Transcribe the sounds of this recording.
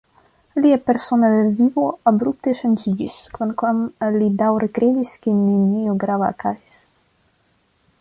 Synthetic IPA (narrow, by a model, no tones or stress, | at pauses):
liɛpeɾsonaðevivoabɾup̚t̪eʃand͡ʒiɟiskvankwamlid̪awɾekɾed̪iskininioɡɾavaːkazi̥s